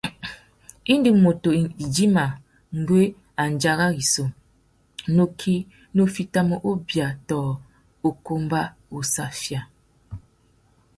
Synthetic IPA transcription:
i˦ndɨ˦˨ŋmo˨to˨i˨d͡ʒi˦ma˨ | ŋ̩˨ɡe˦ | a˨n˨d͡ʒa˦ɣa˦ɡi˨so˨ | no˦kʰi˦ | no˦fi˦ta˦mo˦ʔo˦bja˨tɔː˨ | o˨ko˦mba˦o˨sa˨fja˨

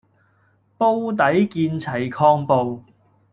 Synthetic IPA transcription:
po˥wt̪̬ɐ˨˥jkiː˧nt͡sʰɐ˨˩jkʰɔː˧ŋpo˨w

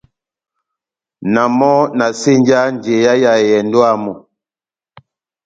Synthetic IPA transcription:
na˨mɔ˦na˨se˦ɲd͡ʒa˦ɲ˨d͡ʒe˨ja˦ja˨jɛ˨ndo˦a˦mɔ˨

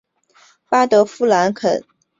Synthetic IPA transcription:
pa˥t̪ɤ˧˥fu˥la˧˥nkʰə̰˨˩˦n

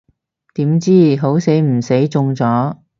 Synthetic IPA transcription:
t̪iː˨˥mt͡siː˥˩ɦo˨˧˥wse˨˥jm̩˨˩se˨˥jt͡sʊ˧ŋt͡sɔː˨˥

